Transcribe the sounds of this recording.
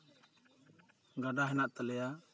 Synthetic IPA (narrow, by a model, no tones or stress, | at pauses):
ɡaɖaɦɛnaʔt̪alɛja